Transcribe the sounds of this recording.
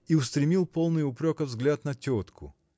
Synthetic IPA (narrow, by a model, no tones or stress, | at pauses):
iʊst̪ɾʲɪmʲilˠpo̞lˠnɨjʊpɾʲokəvzɡlʲat̪nɐtʲot̪kʰʊ̰